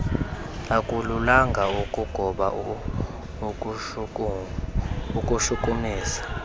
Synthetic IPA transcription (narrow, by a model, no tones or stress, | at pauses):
akʼululaŋɡʱaukʼuɡ̥ʱɔɓa | ukʼuʃukʼumiːsḁ